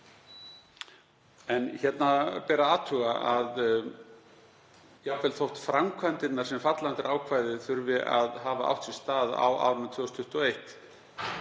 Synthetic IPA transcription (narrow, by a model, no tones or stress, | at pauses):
ɛnçɛt̪napɛːɾaaːt̪ʰʏɣaað | jakvɛːlθowht̪fɾamkʰvant̪ɪnːaɾ̥sɛmfat̪lant̪ɪɾʔaːwkʰvaːjðɪθʏɾvɪʔa̰ðɦaːvaʔa̰wht̪si̥st̪aːða̰wa̰ːwɾnat̪ʰviːɔst̪ʰʏht̪ɔejht̪